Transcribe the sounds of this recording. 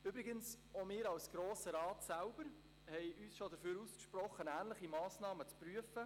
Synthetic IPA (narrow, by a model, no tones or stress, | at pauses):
ybɾɪɡəns | omɪːɾɑwsɡ̥ɾoːsəɾɑːtsælb̥əɾ | hɛɪʔyːsʃod̪əɾføːɾuskʃprɔχənæːnlɪχimɑːsnɑːmət͡spryəfə